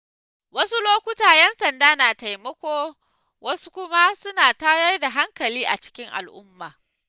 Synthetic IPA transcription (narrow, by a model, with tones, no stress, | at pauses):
wɐ˦su˦loː˦kʷʊ˦taː˨jɛ˦nsɐ˨ndaː˦naː˨ta˨jmɐ˦kʷoː˦ | wɐ˦su˦kʷʊ˦ma˦sʊ˦naː˨ta˦jɐ˦rda˨ɦa˦ŋkɐ˨liː˦ʔa̰˨t͡ʃɪ̥˦kʲɪ˦ŋʔa̰˨lʔʊ˦mːaː˨